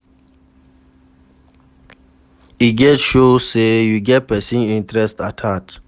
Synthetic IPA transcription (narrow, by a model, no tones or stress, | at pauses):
iɡɛtʃoːsejuɡɛt̚pɛsĩŋĩntɾɛstatʰat